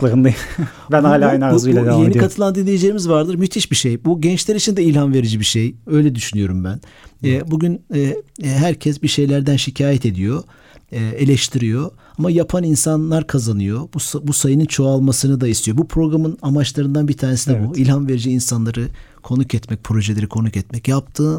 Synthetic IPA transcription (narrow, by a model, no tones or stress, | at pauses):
lˠaɾɯnd̪aj | bænaːlʲaajnauuɛkajenikat̪ʰɯlˠand̪inlʲejid͡ʒejimizvaɾd̪ɯɾmyt̪ʰiʃbiʃejbuɟɛnt͡ʃlʲɛɾit͡ʃʰind̪ɛilʲhanve̞ɾid͡ʒibiʃejø̞jlʲɛd̪yʃynyjo̞ɾumbænɛbuɟynɛɦæɾcʰɛsbiʃe̞jlʲæɾd̪ænʃicʰaːjɛt̪ʰe̞d̪ijo̞ | ɛːe̞lʲɛʃt̪ʰiɾijo̞ | amajapʰaninsanlˠaɾkʰazanɯjo̞busbusajɯnɯnt͡ʃʰo̞alˠmasɯnɯd̪aist̪ʰijo̞bupʰɾo̞ɡɾamɯnamat͡ʃlˠaɾɯnd̪anbiɾt̪ʰaːnesinɛbuilʲhanve̞ɾid͡ʒiːnsanlˠaɾɯ | kʰo̞nucɛt̪mɛc̚pʰɾo̞ʒelʲeɾikʰo̞nukɛt̪mɛcjap̚t̪ʰɯː